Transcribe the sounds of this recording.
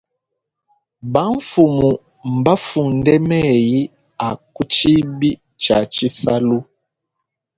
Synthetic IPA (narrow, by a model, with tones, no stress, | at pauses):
ba˨˦ɱ˦fu˨mu˨ | m̩˨ba˦fu˨ndɛ˦mɛ˦ji˦ | a˨ku˦t͡ʃi˦bi˦ | t͡ʃa˨t͡ʃi˦sa˦lu˦